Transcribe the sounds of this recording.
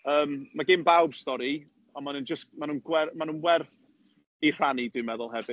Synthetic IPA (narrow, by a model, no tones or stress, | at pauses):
əːmːaɡɪmbawb̥stɔɾi | ɔnmanənd͡ʒəsk̚manuːnɡwɛrmanũːnwɛrθ | ir̥anidɨmɛðʊlˠɦɛvɨ